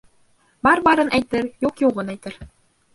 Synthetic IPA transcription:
bɑɾbɑɾɤ̆nʔæjt̪ɘ̆ɾjuqjoʁɤ̆næjt̪ɘ̆ɾ

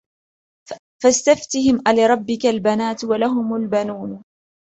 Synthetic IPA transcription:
fast̪aft̪ɪhɪmʔalɪɾˤɑbːɪkalbanaːt̪walaɦʊmalbanuːn

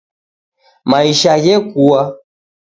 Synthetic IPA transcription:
maiʃaɣɛkua

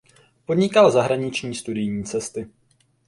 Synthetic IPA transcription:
po̞dɲɪkalzaɦɾaɲɪt͡ʃɲiːst̪udɪjɲiːt͡sɛst̪ɪ

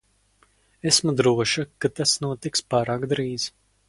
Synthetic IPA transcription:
esmud̪ɾuɔʃakat̪asnuɔt̪ikspaːɾaːkd̪ɾiːz̥

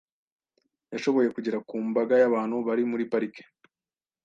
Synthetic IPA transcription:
jaʃo̞βo̞je̞kuɟiɾakuːmbaɡajaβaːn̥huβaɾimuɾipaɾike̥

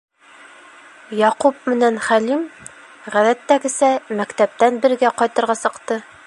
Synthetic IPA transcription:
jɑqupmɘ̆nænχælim | ʁæðæt̪ːæɡɘ̆sæmækt̪æp̚t̪ænbɘ̆ɾɡæqɒjt̪ɤ̆ɾʁɑsɤ̆qt̪ɤ

